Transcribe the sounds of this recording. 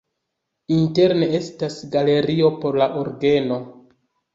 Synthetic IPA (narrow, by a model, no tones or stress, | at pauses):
inte̞ɾnee̞stasɡale̞ɾio̞po̞ɾlaʔo̞ɾɡe̞no̞